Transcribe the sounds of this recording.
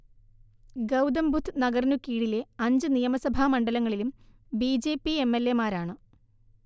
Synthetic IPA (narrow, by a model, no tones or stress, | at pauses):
ɡɐwd̪ɐmbʱut̪ʰːɨnɐɡɐrnukːiːɽileɐɲd͡ʑɨnijɐmɐsɐbʱaːmɐɳɖɐlɐŋːɐɭilum | biːd͡ʑe̞ːpːie̞mːelːe̞maːɾaːɳɨ